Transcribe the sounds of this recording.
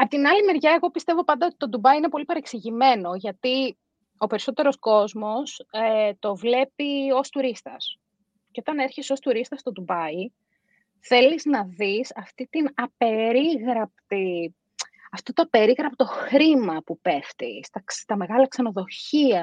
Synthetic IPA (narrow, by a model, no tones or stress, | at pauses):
ɐpot̪inɐlime̞ɾʝɐe̞ɣo̞pist̪e̞vo̞pɐnd̪ɐo̞t̪it̪o̞d̪ubɐiine̞po̞lipɐɾe̞ksiʝime̞no̞ʝɐt̪i | o̞pe̞ɾiso̞t̪e̞ɾo̞sko̞zmo̞set̪o̞vle̞pio̞st̪uɾist̪ɐs | ceo̞t̪ɐne̞ɾçeso̞st̪uɾist̪ɐst̪o̞d̪ubɐi | θe̞liznɐðisɐft̪it̪inɐpe̞ɾiɣɾɐp̚t̪i | ɐft̪ot̪oɐpe̞ɾiɣɾɐpt̪o̞xɾimɐpupe̞ft̪ḭst̪ɐst̪ɐme̞ɣɐlɐksɐno̞ðo̞çiɐ